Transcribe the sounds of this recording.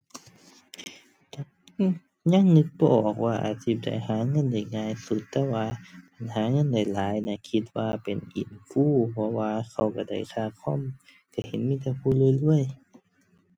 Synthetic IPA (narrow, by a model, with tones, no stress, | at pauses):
ɲa˧˥˨ŋnɯ˧˥k̚bɔ˧ʔɔː˨˩k̚waː˧ʔa̰ː˨˩t̪̚si˧˩p̚da̰˨jhaː˨˦ŋɤ˧˥˨nda˧˩jŋaː˧˨jsu˧˦t̪ːɛː˧˥waː˧pa˨nɦaː˨˦ŋɤ˧˥˨nda˨˩jlaː˨˦jna˧˩kʰi˧t̪̚waː˧pe˨nʔḭ˨˩˨nfuː˧˥˨pʰɔ˧waː˧kʰa˧˩wka˧˩da̰˧˩jk̪ʰaː˧˩kʰɔ˧˥˨m | ka˧˩he˨˦nmiː˧˥˨t̪̬ɛː˧˩fʰuː˧˥˨lɤː˧˥˨jlɨ˧˥˩əj